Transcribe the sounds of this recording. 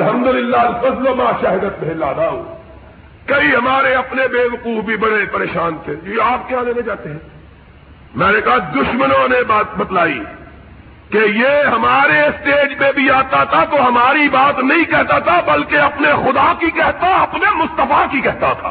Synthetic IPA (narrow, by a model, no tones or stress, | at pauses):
ɐlɦɐmd̪ʊlɪlːaɐlfɐzlomaːʃaːɦɪd̪ət̪̚bʱeːlaːd̪aːoː | kɐiɦɐmaːɾeɐpnebeːʋɐquːfbʱibɐɽepɐɾeːʃaːnt̪ʰeːd͡ʒiaːp̚kjaːd̪eːned͡ʒaːt̪eɦɛ̃ | mɛ̃ːnekɐɦad̪ʊʃmənõnebabɐt̪laːḭ | kejeɦɐmaːɾesʈeːd͡ʒpẽbʱiaːt̪at̪ʰat̪oɦɐmaːɾibaːt̪nɐɦĩkɛɦt̪at̪ʰabɐlkeɐpnexʊd̪akikɛɦt̪aɐpnemʊst̪əfakikɛɦt̪at̪ʰa̰ː